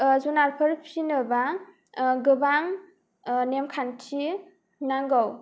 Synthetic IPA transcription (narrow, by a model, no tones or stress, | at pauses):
zunaɾpʰɯɾpʰinɯba | ɡɯbaŋ | nemkʰantʰi | naŋɡaw